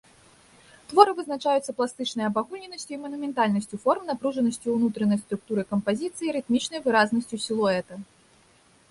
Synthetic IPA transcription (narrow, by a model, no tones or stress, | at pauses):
t̪vɔɾɨvɨznat͡ʂajut̪sːɐplˠast̪ɨt͡ʂnɐjɐbaɣulʲnʲɛnɐsʲt͡sʲuimɐnumʲɛnt̪alʲnɐsʲt͡sʲufɔrmnapɾuʐɐnɐsʲt͡sʲuunut̪ɾɐnɐjst̪ɾuk̚t̪uɾɨkɐmpazʲit̪sɨjiɾɨt̪mʲit͡ʂnɐjvɨɾaznɐsʲt͡sʲusʲilˠɔɛt̪ɐ